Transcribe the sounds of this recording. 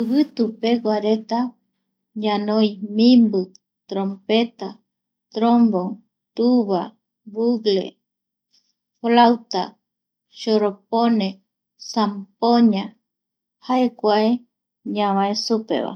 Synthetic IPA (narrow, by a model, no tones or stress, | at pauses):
ɨβɨt̪upeɡʷaɾet̪a | ɲãnoj̃mĩmbɨ | t̪ɾõmpet̪a | t̪ɾombo | t̪uβa | βuɡlḛ | flawt̪a̰ | ʃoɾopone | sampoɲã | haekʷae | ɲãβãesupḛβa̰